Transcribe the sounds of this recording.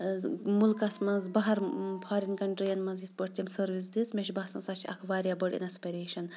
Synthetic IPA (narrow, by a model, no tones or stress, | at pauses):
mulkɐsmɐnzbɐɦɐɾpʰaːɾinkɐɳʈɾijɐnmɐzit̪̚ʰpɐɽt̪ʲimsɐɾʋis̬d̪ismeʃbasɐnsat͡ʃʰɐ̰kʰʋaːɾʲjabɐʈḭnɐspɐɾeːʃɐn